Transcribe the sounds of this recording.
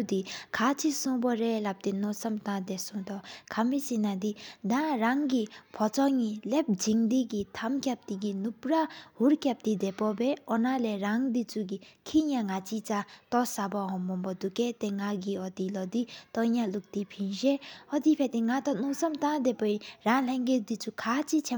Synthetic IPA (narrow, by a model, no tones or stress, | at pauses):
d̪ikʰat͡sʰisɔ̃bɔɾelap̚t̪inɔ̃sɔmt̪ãd̪ɛsɔ̃t̪ɔkʰamisinad̪id̪ãɾaŋɡipʰɔt͡sɔŋilep̚d͡ʑiŋd̪iɡit̪ʰamkʲjap̚t̪iɡinupɾahuɾkjap̚t̪id̪ɛpɔbɛɔnalɛɾaŋd̪it͡suɡikʰijãŋat͡sit͡sat̪ɔsabɔɦɔmbɔmbɔd̪uket̪eŋaɡiɔd̪ilɔd̪it̪ɔɲãluk̚d̪ipʰind͡ʒeɔd̪ipʰet̪ĩŋat̪ɔnɔsɔmt̪ãd̪epɔiɾãleŋɡed̪it͡sʰukʰat͡sit͡sʰe